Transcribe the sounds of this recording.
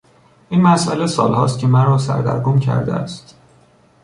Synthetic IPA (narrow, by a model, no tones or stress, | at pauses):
ʔiːnmæsʔælesɒːlhɒ̰ːst̪̚cʰʲe̞mæɾɒːsæ̰ɾd̪æ̰ɾɡomcʰæ̰ɾd̪ḛæ̰st̪